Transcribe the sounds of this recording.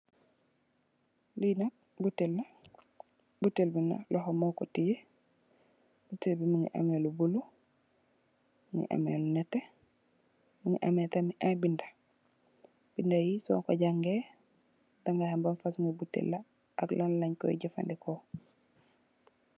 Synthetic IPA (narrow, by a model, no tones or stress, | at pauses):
linat | butelːa | butelbina̰lʔɔɦomɔːkɔtije | b̥utelbimuŋḭʔa̰melubulu | muŋḭʔa̰mḛlunɛte | muŋḭʔametamiʔabinda | b̥indajisɔ̰ŋko̰ɟaŋɡe | daŋɡahambanfasuŋibutḛlːa | aklanlaɲkɔ̰ḭɟifa̰ndiko